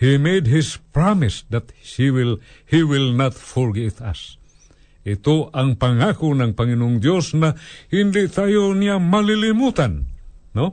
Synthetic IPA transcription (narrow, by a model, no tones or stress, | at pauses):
himedɦispɾamɪsdat̪ːiwilhiwilnat̪fɔɾɡiːt̪a̰s | it̪oʔaŋpaŋakunaŋpaŋinʊŋdjosnaindiʔt̪ajoniamalilimut̪anːo